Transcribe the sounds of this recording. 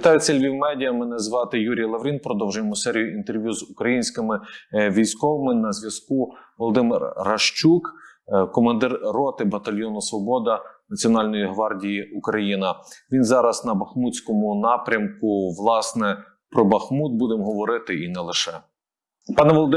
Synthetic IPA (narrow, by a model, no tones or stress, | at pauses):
ʋʲit̪ɑjʊt͡sʲɛlʲʋʲiwmɛdʲijɐmɛnɛzʋɑt̪ɪjuɾʲijɐlˠɐʋɾʲinpɾɔd̪ɔwʒʊjemʊsɛɾʲijʊint̪erʋʲjuzukɾɐjinʲsʲkɪmɪʋʲijsʲkɔʋɐmɪnɐzʋʲjɐskuʋɔlˠɔd̪ɪmɪrːɐʃt͡ʃukkɔmɐnd̪ɪrrɔt̪ɪbɐt̪ɐlʲjɔnɔsʋɔbɔd̪ɐnɐt͡sʲiɔnɑlʲnɔjiɦʋɑrdʲijiukɾɐjinɐʋʲinzɑɾɐznɐbɐxmut͡sʲkɔmʊnɑpɾʲɐmkʊʋlˠɑsnɛ | pɾɔbɐxmut̪̚bud̪emɦɔʋɔɾɪt̪ɪinɛlˠɪʃɛ | pɑnɛʋɔlˠd̪ɪ